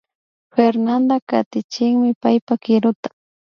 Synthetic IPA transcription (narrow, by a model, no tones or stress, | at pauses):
feɾnand̪aka̰t̪ɪt͡ʃɪŋmɪpajpakɪɾʊt̪ḁ